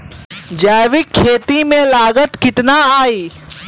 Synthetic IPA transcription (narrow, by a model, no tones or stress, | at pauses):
d͡ʒaːʋɪkʰːeːt̪imẽlaːɡət̪kɪʈnaaːiː